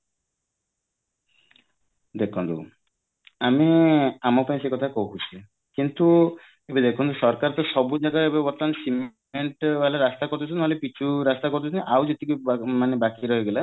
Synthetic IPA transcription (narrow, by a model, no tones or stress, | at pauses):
d̪ekʰɔnt̪ṵ | amiamɔpaĩsekɔt̪ʰakɔukut͡ʃʰe | kint̪u | ebed̪ekʰɔnt̪usɔɾkaɾt̪ɔsɔbud͡ʒaɡaebebɔt̪lansim | eɳʈbʱalaɾast̪akɔɾt̪ʰut͡ʃʰunaɦɔlepit͡ʃʰuɾast̪akɔɾt̪ʰut͡ʃʰniʔawd͡ʒet̪ikumanebakiɾɔɦeɡela